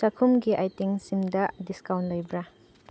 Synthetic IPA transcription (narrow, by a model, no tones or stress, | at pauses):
sakʰumɡiʔajtiŋsimdɐdiskawntlojbɾa